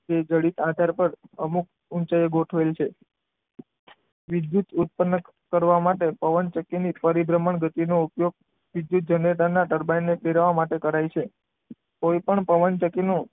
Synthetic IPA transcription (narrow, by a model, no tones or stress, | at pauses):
d͡ʒed͡ʒəɽit̪ad̪ʱaɾpəɾəmuk̚ | ʊnt͡ʃajeɡʱoʈʰʋelt͡ʃʰe | ʋɪd̪jut̪ut̪̚pənːək | kːəɾʋamaʈepəʋənt͡ʃəkːinipəɾibɾəməɳɡət̪inoupjoɡ̚ | ʋid̪jut̪̚d͡ʒəɳeʈənaʈəɾbajnːepeɾaʋamaʈekəɾajt͡ʃʰe | kojpəɳpəʋənt͡ʃəkːinu